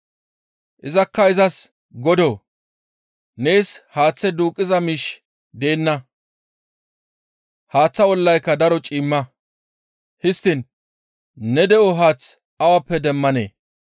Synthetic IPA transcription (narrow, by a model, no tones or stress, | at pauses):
ʔɪzɐkːɐɪzɐs | ɡɔd̪o̞ː | nejshaːt͡sːɛd̪uːkʼːɪzɐmiʃ | d̪e̞ːnːɐ | haːt͡sːɐɔlːɐjkːɐd̪ɐɾɔt͡ʃʼiːmːɐ | hɪst̪ːɪnː | ɛd̪ɛʔɔɦaːt͡s | ɐwɐpːɛd̪ɛmːɐnḛː